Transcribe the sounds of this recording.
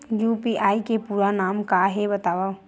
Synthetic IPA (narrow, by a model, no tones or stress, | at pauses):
juːpiʔaːikepuːɾanaːmkaɦebɐt̪aːʋa